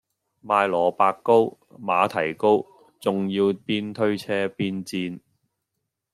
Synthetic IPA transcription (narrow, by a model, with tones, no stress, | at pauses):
maː˧jlɔː˨˩paː˧kːo˥w | maː˨˧t̪ʰɐ˨˩jko˥w | t͡sʊ˨ŋjiː˧wpiː˥nt̪ʰɵ˥ɥt͡sʰɛː˥piː˥nt͡siː˧n